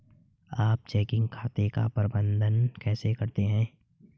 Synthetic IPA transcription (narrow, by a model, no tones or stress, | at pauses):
aːp̚t͡ʃɛːkɪ̃ŋɡkʰaːt̪eka̰pəɾəbə̃nd̪ʱənkɛːsekɐɾt̪eɦɛ̃ː